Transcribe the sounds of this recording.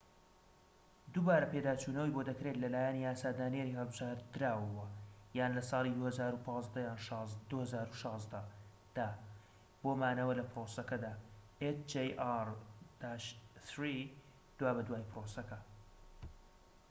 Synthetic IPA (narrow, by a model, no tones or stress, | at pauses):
d̪ubaːɾɐped̪aːt͡ʃuːnɐwijbod̪ɐkɾe̞t̪lɐlaːjɛnijaːsaːd̪aːnjeɾihɨlˠbɨʒaːɾd̪ɨɾaːwɐwɐjaːnlɐsɑːlˠid̪uːhɐzaːɾupʰɑːzd̪ɐjaːnʃd̪uhɐzaːɾuʃɑːzd̪ɐ | d̪̥aː | b̥oːmaːnɐwɐlɐpɾosɐkɐd̪aː | et͡ʃd͡ʒejaɾd̪̥aʃt̪ɾi | d̪̥waːbɐd̪waːjpɨɾosɐkɐ